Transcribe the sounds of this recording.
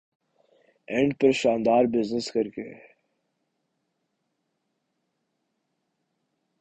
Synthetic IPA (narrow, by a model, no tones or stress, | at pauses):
ẽɳɖpɐɾʃaːnd̪aːɾbɪznɪskɐɾke